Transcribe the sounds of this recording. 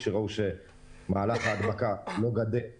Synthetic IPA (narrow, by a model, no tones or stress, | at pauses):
ʃeʁauʃe̞ | maːlaχaːd̪makalo̞ɡad̪e